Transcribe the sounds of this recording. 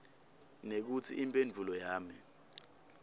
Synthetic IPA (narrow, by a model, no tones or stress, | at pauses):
nek̬ut͡sʰiʔimpʼend͡vʱulɔjaːmi